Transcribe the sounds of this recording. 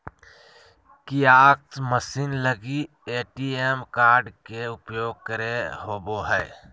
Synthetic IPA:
kiaːk̚t̪məsiːnləɡi | eːʈiːemkaːɾɖkeʊpjoːɡ̚kəɾeɦoːboɦɛː

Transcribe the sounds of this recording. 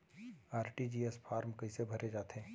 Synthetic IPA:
aːɾʈid͡ʒiːespʰaːɾmkɐisebʱɐɾed͡ʒaːt̪ɦɛ̃ː

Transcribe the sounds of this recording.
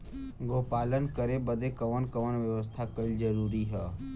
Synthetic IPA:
ɡʱoːpaːlənkəɾebəd̪ekəʋənkəʋənʋjəʋəst̪ʰakəild͡ʒəɾuːɾiɦəː

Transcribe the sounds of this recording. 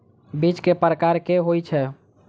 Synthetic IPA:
bit͡ʃkepɾəkaɾkeɦojt͡ʃʰɛ

